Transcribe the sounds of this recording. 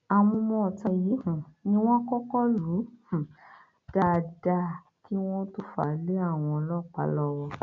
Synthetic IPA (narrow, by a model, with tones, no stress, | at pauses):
a˧mɔ̃˧mɔ̃˧˨ta˧ji˨˦hũ˨nĩ˦w̃ɔ̃˦kɔ˦kɔ˦lũ˨˦˨ | d̥a˦˨da˧˦ | ki˦w̃ɔ̃˦tu˦fa˨le˦a˦˨w̃ɔ̃˧ɔ˧lɔ˦˨k͡pa̰˨˦lɔ˦wɔ˧